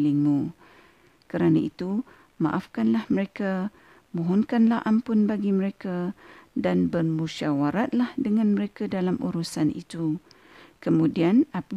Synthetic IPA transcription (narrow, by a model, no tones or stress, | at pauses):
liŋmu | kəɾanait̪u | ma̰ʔafkanlahməɾeka | mɔ̃ɦɔnkanlahʔampʊnbaɡiməɾekadanbərmuʃawaɾat̪̚lahdəŋãnməɾekadalamṵɾusanḭt̪u | kəmũdiana